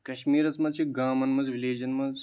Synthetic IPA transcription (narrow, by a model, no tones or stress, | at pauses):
kɐʃmiːɾɐt͡smɐt͡ʃʰiɡaːmɐnmɐzʋileːd͡ʒɐnmɐz